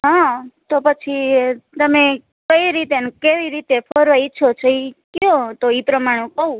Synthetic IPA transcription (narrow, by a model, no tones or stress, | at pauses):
ɦãt̪opət͡ʃʰit̪əme | kəiɾit̪eənkeʋiɾit̪efɔɾʋait͡ʃʰot͡ʃʰoikõt̪oipɾəmaɽ̃ũkəũ